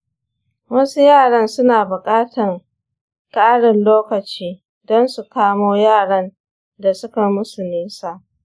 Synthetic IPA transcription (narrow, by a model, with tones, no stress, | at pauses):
wɐ˦su˦jaː˦˨ɽɐ˦nsʊ˦naː˨bʊ˨kʼaː˦tɐ˨ŋ | kʼaː˦ɽɪ˨nloː˦kɐ˨t͡ʃiː˦ | dɔ˦nsu˨kaː˦moː˦jaː˦˨ɽɐ˦n | da˨sʊ˦ka˨mʊ˦sʊ˨mɪ˦nsa˨ʔ